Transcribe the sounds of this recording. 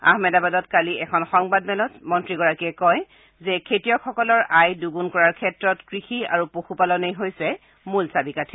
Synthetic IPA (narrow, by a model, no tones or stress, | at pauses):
a̰hmɛdabadɔtkaliɛkʰɔnxɔŋbadmɛlɔzmɔntɹiɡɔɹakiɛkɔj | zɛkʰetijɔkʰɔkɔlɔɹajduɡunkɔɹaɹkʰɛtɹɔtkɹixia̰ɹupoxʰupalɔnejɦojsɛ | mulsabikatʰi̥